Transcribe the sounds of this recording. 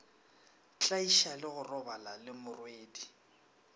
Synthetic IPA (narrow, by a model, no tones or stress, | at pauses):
t͡ɬʼaiʃalɪɣʊrɔbalalɪmʊrweːdi